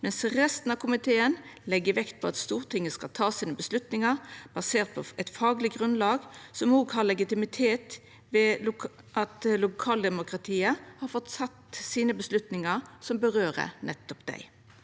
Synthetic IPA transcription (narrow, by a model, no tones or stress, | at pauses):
mɛnsʁɛst̪n̩ɑkʰʊmɪt̪ʰeːənlɛɡːəʋɛkt̪̚pʰɔɑt̪st̪uːʁt̪ʰɪŋːəskɑlt̪ʰɑːsiːnəbəslʉt̪nɪŋəb̥ɑseːʁt̪̚pʰɔɛt̪fɑːɡlɪɡʁʉnlɑːɡsɔmoːɡhɑɾlɛɡɪt̪ɪmɪt̪ʰeːt̪ | ʋɛ | ʔɑt̪lʊkʰɑːld̪ɛmʊkɾɑt̪ʰiːəhɑɾfɔt̪sɑt̪ːsiːnəbəslʉt̪nɪŋəʁsɔmbəʁøːʁə̰nɛt̪ːɔpd̪æ̰ɪ